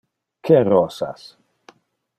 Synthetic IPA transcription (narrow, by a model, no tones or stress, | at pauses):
kʰɛrɔsa̰s